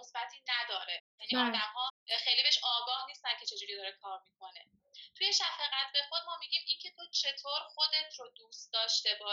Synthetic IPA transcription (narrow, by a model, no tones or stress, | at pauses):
osbæt̪ʰiːnæd̪ɒːɾejæniɒːd̪æmhɒːxe̞jlibeeʃɒːɡɒːhniːst̪æncʰe̞t͡ʃʰe̞d͡ʒuːɾiːd̪ɒːɾekʰɒːɾmiːkʰo̞ne̞ | t̪ʰuje̞ʃæfeɣæt̪ʰbe̞xo̞d̪̚mɒːmiɟiːmiːncʰe̞t̪ʰot͡ʃʰe̞t̪ʰoːɾxo̞d̪e̞t̪ʰɾod̪uːst̪d̪ɒːʃt̪e̞bɒː